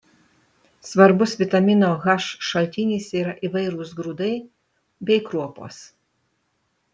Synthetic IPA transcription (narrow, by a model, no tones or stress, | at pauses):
sʋɐɾbʊsʋʲɪt̪ɐmʲɪnoːɣɐʃʃɐlʲt̪ʲɪnʲiːˑsʲiːɾɐʔiˑʋɐɪɾusɡɾud̪ɐɪ | bʲɛɪkɾuɔpo̰ːs